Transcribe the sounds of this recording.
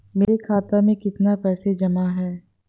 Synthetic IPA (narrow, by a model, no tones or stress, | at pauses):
meːɾekʰaːt̪amẽkɪt̪napɛːsed͡ʒɐmaɦɛː